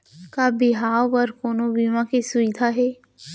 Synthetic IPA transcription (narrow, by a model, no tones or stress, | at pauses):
kabɪɦaːwəɾkoːnobiːʋãkisʊɪd̪ʱaɦɛː